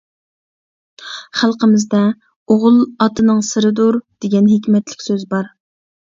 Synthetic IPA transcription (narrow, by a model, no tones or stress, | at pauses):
χælˠqəmɪzd̪ɛ | oʁʊlˠɑt̪ʰɨnɨŋsɨɾɨd̪oɾd̪̥eɡʲɛnɦekʲmɛt̪lɪ̥kʲsøzbɑɾ